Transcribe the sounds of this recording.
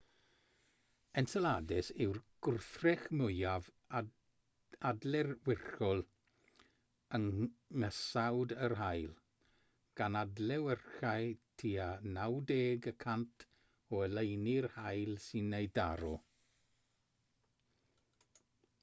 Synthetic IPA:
ɛnsɛladɪsɪwrɡ̥ʊrθrɛxmʊjav | adlɛrwɪrxɔlˠ | əŋŋəsawdərɦajlˠ | ɡ̥anadlɛwɛrxajtʰiːanawdeːɡəkʰantʰ | ɔəlejnirhajlˠsɪnːejda̰ɾɔ

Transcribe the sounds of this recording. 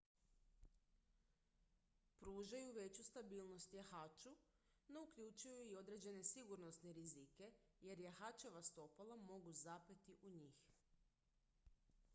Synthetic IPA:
pɾuːʒajuʋe̞t͡ɕust̪abiːlˠno̞st̪jaxaːt͡ʃu | no̞ukʎut͡ʃujuio̞d̪ɾe̞d͡ʑe̞ne̞siɡuɾno̞st̪neɾizike̞je̞ɾjaxat͡ʃe̞ʋast̪o̞palˠamo̞ɡuzapet̪iʔuɲiːx

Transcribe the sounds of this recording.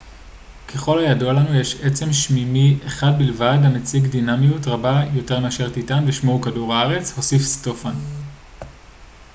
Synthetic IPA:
kʰe̞χo̞lhajadoalanujeʃet͡se̞mʃmimiʔeχad̚bilvadamet͡siɡdinamijutʁabajo̞te̞ʁmeaʃeʁt̪itanveʃmoukaduʁaaʁe̞t͡sho̞sifsto̞fan

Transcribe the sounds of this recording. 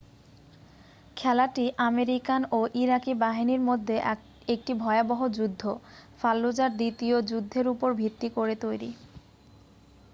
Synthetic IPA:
kʰɛlaʈiʔameɾikanoʔiɾakibaɦiniɾmod̪ʱːe | ek̚ʈibʱɔeaboɦod͡ʑud̪ʱːofalːod͡ʑaɾd̪it̪iod͡ʑud̪ʱːeɾupoɾbʱit̪ːikoɾet̪ojɾḭ

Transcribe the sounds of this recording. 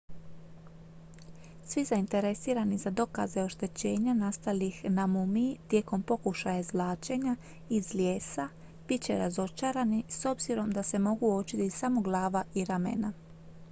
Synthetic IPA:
sʋizaint̪e̞ɾe̞siːɾanizad̪o̞ka̰zeo̞ʃt̪e̞t͡ɕe̞ːɲanast̪alixnamumit̪je̞ːko̞mpo̞kuʃajazʋlˠaːt͡ʃe̞ɲa | izljeːsa | b̥it̪̚t͡ɕe̞ɾazo̞t͡ʃaɾaniso̞bziɾo̞md̪ase̞mo̞ɡuot͡ʃit̪isamo̞ɡlˠaːʋaiɾamḛna

